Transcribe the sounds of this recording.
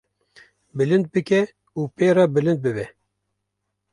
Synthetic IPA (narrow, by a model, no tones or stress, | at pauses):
bɨlɨnd̪̚bɨkʲɛ | uːpeːɾɑːbɨlɨnd̪̚bɨbɛ